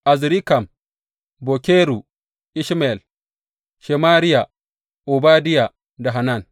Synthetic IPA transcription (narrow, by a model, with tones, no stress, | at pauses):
ʔa˨zɾi˦ka˨m | bo˨kʲeː˦ɾu˨ | ʔi˦ʃma˨ɛ˨l | ʃe˨maː˦ɾɪ˦ja˨ | ʔu˨baː˦dɪ˦ja˨ | da˨ɦa˨na˦˨n